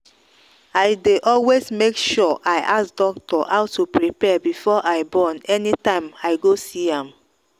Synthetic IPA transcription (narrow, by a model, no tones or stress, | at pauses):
aɪdeʔɔlwezmekʃɔʔaɪʔasdɔk̚tɔhaʊtupɹipɛbifɔʔaɪbɔnɛnitãɪ̃maɪɡosiãm